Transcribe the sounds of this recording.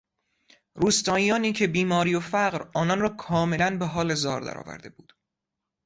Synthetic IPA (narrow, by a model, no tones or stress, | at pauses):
ɾuːst̪ɒːijɒːniːcʰe̞biːmɒːɾiːjofæɢɾɒːnɒnrɒːkʰɒːmelænbeɦɒːlezɒːɾd̪æ̰ɾɒ̰ːvæ̰ɾd̪e̞̰buːd̪̥